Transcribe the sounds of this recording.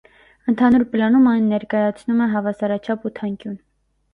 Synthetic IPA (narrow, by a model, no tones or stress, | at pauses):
ənt̪ʰɑnuɾplɑnumɑjnːɛɾkɑjɑt͡sʰnumɛɦɑvɑsɑɾɑt͡ʃʰɑput̪ʰɑŋkjun